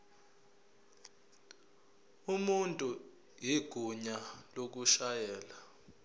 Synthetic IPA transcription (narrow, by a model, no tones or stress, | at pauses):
umuntʼu | jiɡ̥ʱuɲalok̬uʃajɛːla